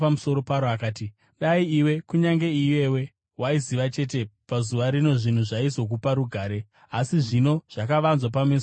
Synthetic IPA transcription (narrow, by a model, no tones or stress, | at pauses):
pamuso̞ɾo̞paɾoakaːti | ɗaiiwe̞kuɲaŋɡe̞ije̞we̞ | waiziʋat͡ʃe̞t̬e̞pazuʋaɾino̞ʐin̤uʐaizo̞k̬upaɾuɡʱaːɾe̞ | asiʐino̞ʐ̥akaʋanzwap̬ames